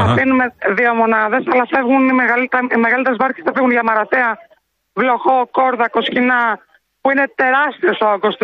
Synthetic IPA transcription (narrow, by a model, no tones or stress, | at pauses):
ɐfinumeðiomo̞nɐðe̞sɐlɐfe̞vɣunimeɣɐlit̪imeɣɐlit̪eɾezmɐɾçesθɐfiɣunʝɐmɐɾɐθeɐ | vloxoko̞ɾðɐko̞scinɐ | puine̞t̪e̞ɾɐst̪iosooɡost̪